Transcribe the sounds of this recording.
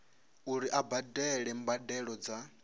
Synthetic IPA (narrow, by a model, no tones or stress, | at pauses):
uɾiʔabadɛɺɛmbadɛɺɔd͡za